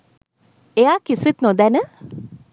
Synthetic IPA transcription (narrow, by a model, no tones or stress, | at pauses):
eakisit̪nod̪ænə